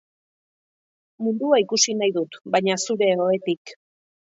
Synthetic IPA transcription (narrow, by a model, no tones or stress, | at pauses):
mund̪uaikusinajðut̪bajɲasuɾe̞o̞e̞t̪ik